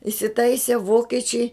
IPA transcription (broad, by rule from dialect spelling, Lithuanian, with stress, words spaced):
ɪsʲɪˈtɐɪsʲeː ˈʋoːkʲiɛt͡ʃʲɛɪ